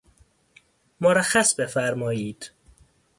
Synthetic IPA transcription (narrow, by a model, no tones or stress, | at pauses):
moɾæxːæsbe̞fæɾmɒːjiːd̪̥